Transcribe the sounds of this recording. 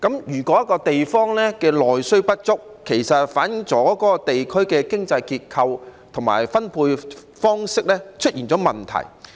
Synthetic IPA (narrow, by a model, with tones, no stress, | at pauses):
kɐ˨˥mjyː˨˩kɔː˨˥jɐ˥kɔː˧t̪e˨jfɔː˥ŋlɛː˥kɛː˧lɔː˨jsɵ˥ɥpɐ˥t̚t͡sʊ˥k̚ʰːe˨˩jsɐ˨t̚faː˨˥njɪ˨˧ŋt͡sɔː˨˦˥kɔː˨˥kɔː˧t̪e˨jkʰɵ˥ɥkɛː˧kɪ˥ŋt͡sɐ˧jkiː˧t̚kʰɐ˧wt̪ʰʊ˨˩ŋma̰ː˨˩jfɐ˥npʰuː˧j | fɔː˥ŋsɪ˥k̚lɛː˥t͡ʃʰɵ˥t̚jiː˨˩nt͡sɔː˨˥mɐ˨nt̪ʰɐ̰˨˩j